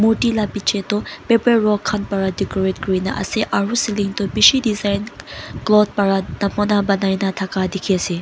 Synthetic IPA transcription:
moʈilapit͡ʃʰet̪ɔpepeɹɔkʰːanpɐɾadikɔɹet̚kɹinaʔɐ̰seʔaɾusiliŋt̪ɔbiʃidizajnklɔd̪̚pɐɾanɐmɔnabɐnajnat̪ʰakad̪ikʰesi

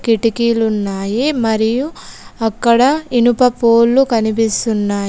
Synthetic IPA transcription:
kiʈikiːlunːaːjimɐɾijuɐkːɐɽɐinupɐpoːlːukɐnip̬ist̪unːaː

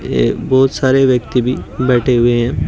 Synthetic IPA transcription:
bɔːt̪saːɾeʋjɐk̚t̪ibʱibɛːʈʰeɦʊeɦɛ̃ː

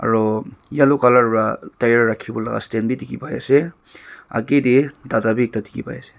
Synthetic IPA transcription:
a̰ɾɔjalɔkalaɾbatajaɾːakʰːibɔla̰ɡa̰stenbitikipaja̰se | a̰ɡedidadabik̚tatikḭpa̰jase̥

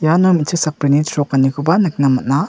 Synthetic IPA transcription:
janomitʰɯk̚sapɾinitʰɾɔkːɐnikʰubanɯk̚namɐt̚na

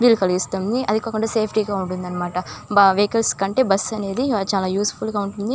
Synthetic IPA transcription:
ʋiːlːukɐliɡist̪und̪iʔɐd̪ikɔkːɐɳeːseːpʰʈiːɡaːuɳʈund̪ɐnːɐmaːʈɐbʋeːkɐlskɐɳʈe̞ːbɐsːɐne̞ːd̪it͡ʃaːlaːjuːspʰulɡaːuɳʈund̪i

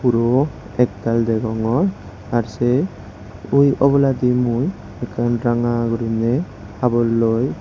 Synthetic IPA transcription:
puɾɔ | ɛkt̪ald̪ɛɡɔŋɔɾ | aɾse | ujɔbɔlad̪imuj | ɛkanɾaŋaɡuɾinɛ | abɔlːɔj

